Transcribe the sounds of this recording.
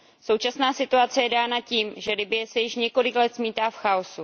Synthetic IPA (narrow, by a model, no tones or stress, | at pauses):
so̞wt͡ʃasnaːsɪt̪uat͡sɛjɛdaːnaciːmʒɛlɪbɪjɛsɛjɪʃɲɛko̞lɪklɛt̪smiːt̪aːfxaosu